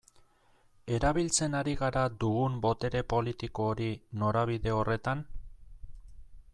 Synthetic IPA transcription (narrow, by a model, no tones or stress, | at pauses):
e̞ɾaβilt͡se̞naɾiɣaɾad̪uɣumbo̞t̪e̞ɾe̞po̞lit̪iko̞ːɾino̞ɾaβ̞iðe̞o̞re̞t̪an